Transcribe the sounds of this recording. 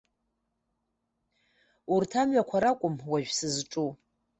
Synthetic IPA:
urtʰamɥakʷʰaɾakʷʼʊmwaʒᶣsɨzʈ͡ʂʼu

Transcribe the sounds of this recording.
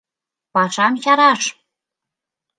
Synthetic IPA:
pɑʃɑmʃɑɾɑʃ

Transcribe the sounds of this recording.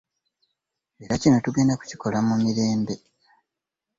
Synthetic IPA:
e̞ɾacino̞tuɡe̞ːndaku̥ciko̞lamumiɾe̞ːmbe̞

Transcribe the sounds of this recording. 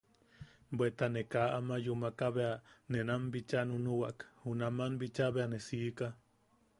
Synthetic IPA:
bwet̪anekaʔamajumakaβeanenambit͡ʃanunuwaʔkhunamanbit͡ʃaβeanesiːka

